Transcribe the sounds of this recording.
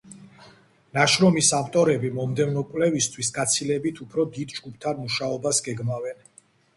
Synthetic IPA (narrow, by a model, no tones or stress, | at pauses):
naʃɾɔmisamt̪ʼɔɾɛbimɔmd̪ɛvnɔkʼwlɛvist̪ʰwisɡat̪sʰilɛbit̪ʰupʰɾɔd̪id̪d͡ʒɡupʰt̪ʰanmuʃaɔbasɡɛɡmavɛn